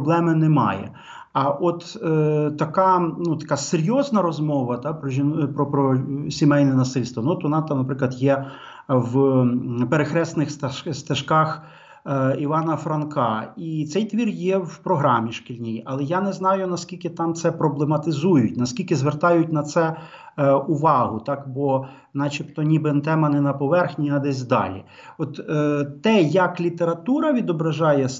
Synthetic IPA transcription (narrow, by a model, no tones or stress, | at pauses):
ɔblˠɛmɪnɛmɑ̰jɛ̰ | ɐʔɔt̪t̪ɐkɑnut̪ɐ̥kɑseɾʲjɔznɐɾɔzmɔʋɐt̪ɑpɾɔʒʲipɾɔpɾɔsʲimɛjnɛnɐsɪlʲst̪ʋɐnuɔt̪ʋɔnɑt̪ɑmnɐpɾɪklˠɐd̪jɛ | w | peɾexɾɛsnɪxst̪st̪ɐʃkɑx | iʋɑnɐfɾɐnkɑit̪sɛjt̪ʋʲirjɛwpɾɔɦɾɑmʲiʃkilʲnʲijɐlˠɛjanɛznɑjʊnɐskʲilʲkɪt̪ɑmt̪sɛpɾɔblˠemɐt̪ɪzujʊtʲnɐskʲilʲkɪzʋert̪ɑjʊt̚ʲnɐt̪sɛ | ʊʋɑɦʊt̪ɑkbɔ | nɑt͡ʃipt̪ɔnʲibɪnt̪ɛmɐnɛnɐpɔʋɛrxnʲiɐd̪ɛsʲd̪ɑ̰lʲḭ | ɔt̪t̪ːɛjɐklʲit̪eɾɐt̪uɾɐʋʲid̪ɔbɾɐʒɑjɛs